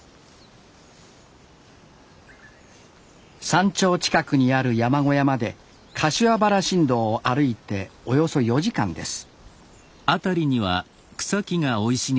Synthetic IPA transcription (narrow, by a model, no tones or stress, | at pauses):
sãɲ̟t͡ɕo̞ːt͡ɕi̥kakɯ̟ɲ̟iaɾɯ̟jamaɡo̞jamad̪e̞ | kʰaɕiabaɾaɕĩnd̪o̞ːʔaɾɯ̟it̪e̞o̞jo̞so̞jo̞ʑikã̰nd̪e̞sɨ̥ | at̪aɾʲiɲ̟iβa̰ | kɯ̥sakʲiŋao̞iɕi